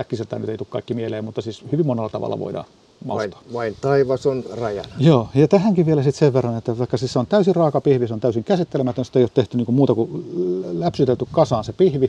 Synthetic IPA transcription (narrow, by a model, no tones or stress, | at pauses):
ækːiselt̪ænyt̪eit̪uːkɑikːimieleːmut̪ːɑsiːshyʋimonelːɑt̪ɑ̰ʋɑ̰lːɑ̰ʋo̰idɑ̰ːn | mɑ̰ust̪o̥ːʋɑint̪ɑiʋɑsonrɑjɑ̰njoːjɑt̪æhæŋkiʋʋielæsit̪seʋʋerːɑnet̪ːæʋɑˑikːɑsisːeont̪æysirɑːkɑpihʋiseont̪æysiŋkæsit̪ːelemæt̪ønsi̥t̪ːeioːt̪t̪eht̪yniːŋkummuːt̪ɑku | læpsyt̪et̪t̪ːykkɑsɑːnsepihʋi